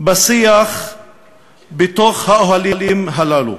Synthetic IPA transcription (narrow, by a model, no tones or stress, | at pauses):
basiaχ | bet̪oχhaʔoɦalilimɦalaːlṵ